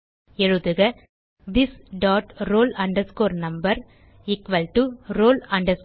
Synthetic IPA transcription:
ɛɻɯðɯɣɐ | d̪ɪsɖaːʈɾoːlɐɳɖɐɾskoːɾnɐmbɐɾ | ɪkʋɐlʈuɾoːlɐɳɖɐɾs

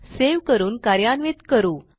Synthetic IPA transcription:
seʋkəɾuːnkaɾjanʋit̪kəɾuː

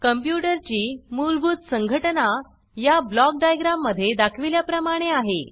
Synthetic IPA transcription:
kəmpjuʈəɾt͡ɕiːmulbʱuːt̪səŋɡʱəʈna | jablɔk̚ɖajɡɾamːəd̪ʱːjed̪akʰʋiljapɾəmaɽ̃eaɦe

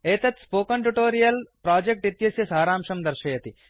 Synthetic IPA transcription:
eːt̪ɐt̪spoːkɐɳʈuʈoːɾijɐlpɾaːd͡ʒek̚ʈit̪jɐsjɐsaːɾaːmʃɐmd̪ɐɾʃɐjɐt̪i

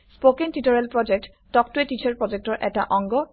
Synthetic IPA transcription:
spokentitɔɹɛlpɹɔd͡ʒek̚t | tɔk̚tuetit͡ʃʰɔɹpɹɔd͡ʒek̚tɔɹʔɛta̰ʔɔŋɡɔ

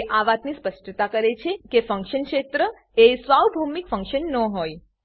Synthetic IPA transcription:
ʔaʋat̪nispəsʈʰət̪akəɾet͡ʃʰekefə̃ŋkʃənkʃet̪ɾə | esʋawbʱumikfə̃ŋkʃənːɔ̃ɦoj

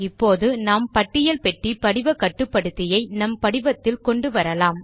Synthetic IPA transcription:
ɪpːoːðɯnaːmpɐʈːɪjɐlpɛʈripɐɽɪʋɐkɐʈːɯpːɐɽɯt̪ːɪjɐɪnɐmpɐɽɪʋɐt̪ːɪlkɔɳɖɯʋɐɾɐlaːm

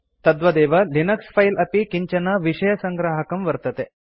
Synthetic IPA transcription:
t̪ɐd̪ʋɐd̪ɛːʋɐlinɐkspʰɐjlʔɐpikiɲt͡ʃɐnɐʋiʂɐjɐsɐŋɡɾaːɦɐkɐmʋɐɾt̪ɐt̪e

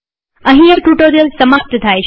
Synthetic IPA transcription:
əɦĩəʈuʈoɾijəlsəmək̚t̪t̪ʰajt͡ʃʰ

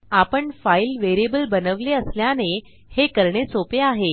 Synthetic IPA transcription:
apəɳfailʋeɾiebəlbənəʋleəsljane | hekəɾɳesopeaɦe

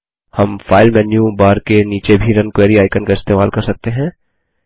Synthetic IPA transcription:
hɐmfaːɪlmɛːnjũbaːɾkeniːt͡ʃebʱiɾɐnkweːɾiaːɪkənkaɪst̪eːmaːlkɐɾsɐk̚t̪eɦɛ̃ː

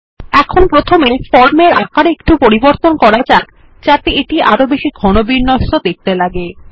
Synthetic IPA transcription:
ɛkʰonpɾot̪ʰomefɔɾmeɾakaɾekʈupoɾiboɾt̪onkɔɾat͡ɕak | t͡ɕat̪eeʈiʔaɾobeʃiɡʱɔnobiɾnːoʃod̪ek̚t̪elaɡe

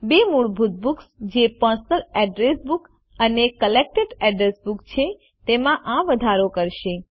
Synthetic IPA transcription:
bemuɭbʱut̪̚buksd͡ʒepəsəlɛɖɾesbuk | ənekəlek̚ʈeɖɛɖɾesbukt͡ʃʰe | t̪emãʔãʋəd̪ʱaɾokəɾʃe

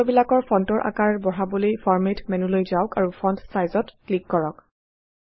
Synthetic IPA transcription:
bilakɔɹpʰɔntɔɹʔa̰kaɹbɔɦabolojpʰɔɹmetmɛnulojzaʊkaɹupʰɔntsajzɔtklikːɔɹɔk

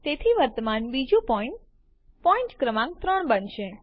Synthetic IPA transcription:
t̪et̪ʰiʋəɾt̪əmanbid͡ʒũpɔiɳʈ | pɔĩɳʈkɾəmãk̚t̪ɾəɳbənʃe

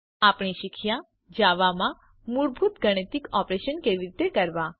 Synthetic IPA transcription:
apɳiʃikʰja | d͡ʒaʋamã | muɭbʱut̪ɡəɽ̃ət̪ikɔpɾeʃənkeʋiɾit̪ekəɾʋã

